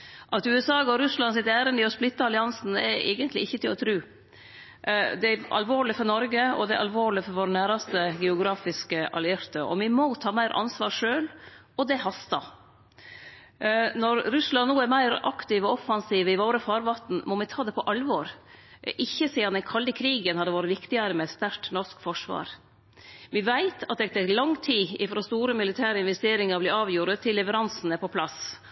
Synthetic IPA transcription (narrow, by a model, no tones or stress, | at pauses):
ʔɑt̪ʉːɛsɑːɔɾʉslɑnsɪt̪æːɾənəɔsplɪt̪ːɑɑlɪɑnsn̩ɛ̰ɾɛ̰ːɡənt̪lɪɪçːət̪ɪlɔt̪ʰɾʉː | d̪ɛɑ̰lʋoːɭɪfɔɾnɔɾɡəɔ̰d̪ɛ̰ʔɑ̰lʋoːɭɪfɔɾʋoːɾənæːɾɑst̪əɡɛʊɡɾɑːfɪskəʔɑ̰lɪɪɾt̪əɔ̰mɪmɔt̪ʰɑːmæɪɾʔɑ̰nsʋɑːɾʂøːl | ɔd̪ɛhɑst̪ɑ | nɔɾɾʉslɑnːuːæɾmæɪɾɑ̰kt̪ɪʋɔɔfɑnsiːʋɪʋoːɾəfɑːɾʋɑt̪n̩mɔmɪt̪ʰɑːd̪ɛpʰɔʔɑlʋɔːɾ | ʔɪçːəsiːd̪ɑnɛnkʰɑld̪ɪkʰɾiːɡənhɑd̪əʋɑːɾəʋɪkt̪ɪəɾəmɛɛt̪st̪æɾʈnɔʂkfɔʂʋɑ̰ːɾ | ʋɪʋæɪt̪ʰɑt̪̚ɛt̪ʰɛklɑŋt̪ʰiːɪfɾoːst̪uːɾəmɪlɪt̪ʰæːɾəɪnʋɛst̪eːɾɪŋɑɾblɪɑːʋjuːɾət̪ʰːɪlːɛʋəɾɑnsn̩ɛpʰɔpʰlɑs